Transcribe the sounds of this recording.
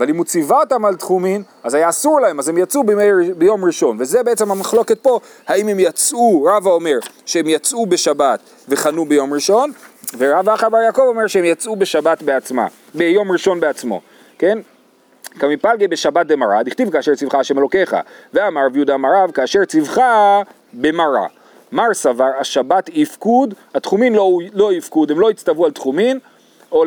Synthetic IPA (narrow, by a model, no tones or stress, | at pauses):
avalimut͡sivaot̪amalt̪χumim | azajaːsuʁlae̞mazhemjat͡subemejbejo̞mʁiʃo̞nve̞zebeet͡semhamaχlo̞ke̞t̪̚po̞ | haime̞mjat͡sʔuʁavao̞me̞ʁʃehemjat͡sʔube̞ʃabat̪ | ve̞χanube̞jo̞mʁiʃo̞nveʁavaχabaɾjako̞vo̞meʁʃehemjat͡sʔubeʃabat̪beat͡sma̰ | bejo̞mʁiʃo̞nbeat͡smo̞̰ | ke̞n | kamipalɡebe̞ʃabat̚bemaʁadiχt̪ivkaːʃe̞ʁt͡sivχaːʃemelo̞ke̞χa̰veamaʁavjud̪amaɾavkaːʃe̞ʁt͡sivχa | be̞maʁa̰ | maʁsavaʁaʃabatifkudatχuminlolo̞ifkudhemlo̞it͡stavualt̪χumin | o